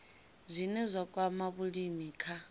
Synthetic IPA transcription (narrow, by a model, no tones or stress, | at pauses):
zʷinɛzʷakʼwamaβulimiːkʰa